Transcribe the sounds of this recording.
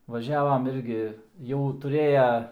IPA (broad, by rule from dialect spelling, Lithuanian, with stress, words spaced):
ʋɐˈʒʲæːʋɐm ˈɪrʲɡʲɪ jɛʊ tʊˈrʲeːjɛ